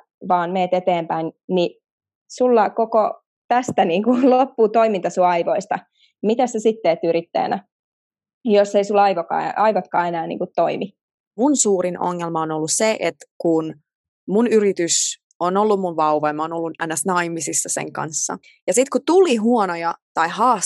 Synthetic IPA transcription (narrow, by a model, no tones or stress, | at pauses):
ʋɑːnmeːt̪et̪eːmpæinni | sulːɑkoko | t̪æst̪æniːŋkulopːut̪oimint̪ɑsuɑiʋoist̪ɑ | mit̪æssesit̪ːeːt̪ːyɾit̪ːæ̰ːnæ̰ | josːeisulːɑiʋokɑ̰ːɑiʋot̪kɑːenæːnḭŋkut̪t̪oimi | munsuːrinʔo̰ŋːelmɑonolːusseʔet̪kun | munyrit̪ys | onolːummunʋɑuʋɑimɑonolːunænæsnɑimisisːɑsḛŋkɑ̰nsːɑ̰ | jɑsit̪kut̪uliɦuɔnojɑt̪ɑihɑːs